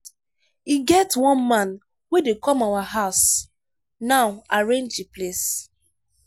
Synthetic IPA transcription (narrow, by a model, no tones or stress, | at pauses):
iɡɛtwɔ̃nmãn | wedekɔ̃mawaɦaʊs | naʊaɹẽnd͡ʒiples